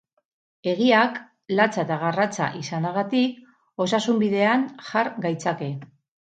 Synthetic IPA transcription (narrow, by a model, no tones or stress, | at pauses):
e̞ɣ̞iak | lat͡saet̪aɣarat͡sa̰ʔisanaɣat̪ik | o̞sasumbiðe̞aŋʝaɾɡajt͡sake̞